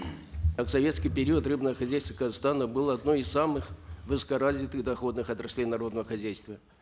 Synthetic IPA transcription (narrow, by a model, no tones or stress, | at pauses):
aksɐvʲe̞t̪skʲijpʲɪɾʲiət̪rɨbnəvəxɐzʲæjst̪vəkəzast̪anəbɨlˠɐd̪no̞ɪsːamɨxvɨsə̥kɐɾazʲɪt̪ɨɣd̪ɐxo̞d̪nɨxɐt̪ɾɐsʲlʲejnɐɾo̞d̪nəvəxɐzʲæjst̪və